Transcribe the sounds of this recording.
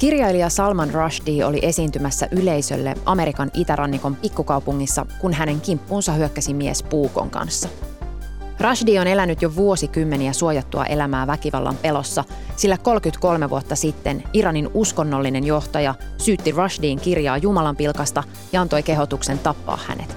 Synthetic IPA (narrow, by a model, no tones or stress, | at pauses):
kirjɑiliɑsɑlmɑnrɑʃdiːo̞̰lḭʔe̞siːnt̪ymæsːæ̰ʔyle̞jsø̞̰lːḛʔɑme̞ɾikɑnit̪æɾʔɑnːiko̞mpikːukɑwpuŋːisːɑ̰kunɦæne̞ŋkimpːuːnsɑhyøkːæsimiḛspuːko̰ŋkɑ̰nsːɑ | rɑʃdiːo̞ne̞lænyt̪joʋuo̞sikymːe̞niæsuojɑt̪ːuɑ̰ʔe̞læmæːʋækiʋɑ̰lːɑ̰mpe̞lo̞sːɑ | silːæko̞lkyt̪ko̞lme̞ʋṵot̪ːɑsit̪ːe̞niɾɑninusko̞nːolːine̞njo̞ht̪ɑjɑsyːt̪ːirɑʃdiːŋkirjɑːjumɑlɑmpilkɑst̪ɑ | jɑɑnt̪o̞jke̞ɦo̞t̪ukse̞nt̪ɑpːɑ̰ːhhæ̰ne̞̰t̪